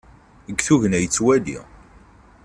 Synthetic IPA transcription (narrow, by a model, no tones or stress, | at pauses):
əɡθuʝənæjət͡sːwælḭ